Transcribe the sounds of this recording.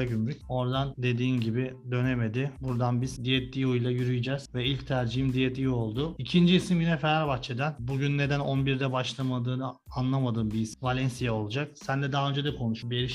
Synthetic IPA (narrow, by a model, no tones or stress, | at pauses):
ɟymɾyco̞ɾd̪and̪e̞d̪iːmɟibid̪ø̞neme̞d̪ɪbuɾd̪anbizd̪ijɛt̪ʰlʲiujlˠajyɾyjed͡ʒɛz̥vɛilʲct̪ʰæɾd͡ʒiɦimd̪ijet̪ijo̞lˠd̪ʊicʰind͡ʒiːsimɟynɛfeɾaɾbaxt͡ʃʰed̪ænbuɟynːe̞d̪æno̞nbiɾd̪ɛbaʃlˠamad̪ɯːnɯ | anlˠamad̪ɯːmbiːsvalʲɛnsijao̞lˠud͡ʒak̚sænd̪ɛd̪aɦaø̞nd͡ʒɛd̪ɛkʰo̞nuʃubieɾiʃ